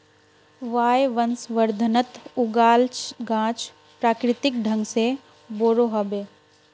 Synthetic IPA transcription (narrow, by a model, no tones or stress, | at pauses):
ʋaːjʋənsʋəɾd̪ʱənət̪ʊɡaːlt͡ʃɡãːt͡ʃ | pɾaːkɾɪt̪ɪk̚ɖʱə̃ŋɡse | boːɾoːɦəbeː